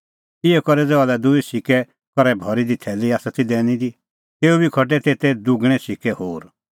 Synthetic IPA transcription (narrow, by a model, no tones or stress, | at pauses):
iɛkɔɾɛd͡zɛalɛd̪ʊisɪkɛ | kɔɾɛbʱɔɾid̪it̪ʰɛːliaːsat̪id̪ɛːnĩd̪i | t̪eːubikʰɔʈ̬ɛt̪et̪ɛd̪ʊɡɽ̃ɛ̃sikɛhoːɾ